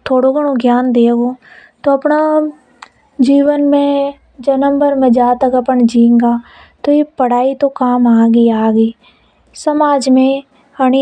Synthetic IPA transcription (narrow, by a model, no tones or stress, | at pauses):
t̪ʰoːɽoɡəɽ̃õɡjaːnd̪eːɡoːt̪oɐpna | d͡ʒiːʋənmẽ | d͡ʒɐnə̃mbəɾmẽd͡ʒaːt̪əkəpəɳd͡ʒĩːŋɡaː | t̪ojepəɽ̤aːit̪okaːmaːɡiaːɡiː | sɐmaːd͡ʒmẽ | ɐɽ̃i